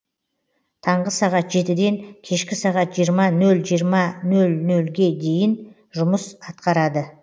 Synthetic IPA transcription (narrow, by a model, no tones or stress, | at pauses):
t̪ʰɑɴʁəsɑʁɑt̪ʒe̞t̪ɪd̪e̞ŋkʲʰe̞ʃkʲɪsɑʁɑt̪ʒijəɾmɑnɵlʒijəɾmɑnɵlnɵlɡʲe̞d̪e̞jɪn | ʒʊməsɑt̪̚qɑɾɑd̪ə